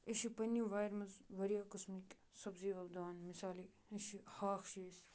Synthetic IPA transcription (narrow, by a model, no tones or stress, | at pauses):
eʃipɐnːiʋaːjɾmɐzʋɐɾijaːkɨsmik | sɐbziːʋɐbd̪aːnmisaːli | eʃihaːxʃiːsʲ